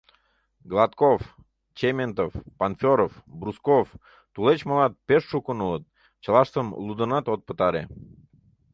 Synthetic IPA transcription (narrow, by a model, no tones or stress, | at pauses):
ɡlˠɑt̪kof | t͡ɕemʲent̪ofpanfʲoɾofbɾuskof | t̪ulet͡ɕməlɑt̪̚peʃːukənulət̪̚ | t͡ɕəlˠɑʃt̪əmlud̪ə̆nɑt̪ot̪̚pə̥t̪ɑɾe